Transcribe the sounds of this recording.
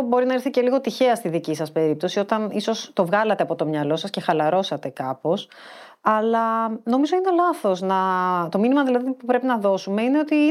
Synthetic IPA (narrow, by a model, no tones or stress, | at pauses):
bo̞ɾinɐiɾθice̞liɣo̞t̪içe̞ɐst̪iðicisɐspe̞ɾip̚t̪o̞sio̞t̪ɐniso̞st̪o̞vɣɐlɐt̪eɐpo̞t̪o̞mɲɐlo̞sɐsce̞xɐlɐɾo̞sɐt̪e̞kɐpo̞s | ɐlɐno̞mizoine̞lɐθo̞znɐt̪o̞minimɐðilɐðipupɾe̞pinɐðo̞sumeine̞o̞t̪i